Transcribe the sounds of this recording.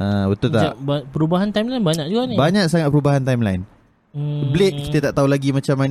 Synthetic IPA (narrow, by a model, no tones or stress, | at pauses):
ʔəbət̪ʊlt̪aaʔbapəɾubaɦant̪ajmlajnbaɲaʔd͡ʒuɡanibaɲãʔsaŋat̪̚pəɾubaɦant̪ajmla̰ɪn | bleʔ̚ki̥t̪ət̪aʔt̪aulaɡimat͡ʃamːan